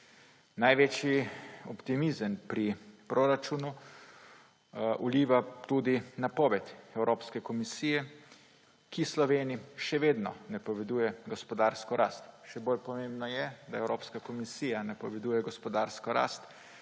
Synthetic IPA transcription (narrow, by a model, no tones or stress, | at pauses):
najʋeːt͡ʃjiɔpt̪imizənpɾipɾoɾat͡ʃuːnu | ʔuliːʋat̪ud̪inapɔːʋɛt̪ɛwɾʔoːpskɛkɔmisiːjɛ | kislɔʋeːniʃɛʋeːd̪nɔ̰nɛpɔʋɛd̪uːjɛɡɔspɔd̪aːɾskɔɾaːst̪ʃɛboːlpɔmembnɔjɛd̪aɛwɾoːpskakɔmisiːjanapɔʋɛd̪uːjɛɡɔspɔd̪aːɾskɔɾa̰ːst̪